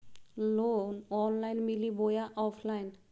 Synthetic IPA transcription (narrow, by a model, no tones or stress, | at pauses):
lonɔnlajnmilibojaʔɔpʰlajn